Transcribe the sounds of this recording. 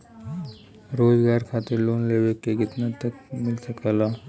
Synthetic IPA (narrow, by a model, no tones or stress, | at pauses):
ɾod͡zɡaɾkʰat̪iɾlonleʋekːeɡit̪nat̪əkmɪlsəkəla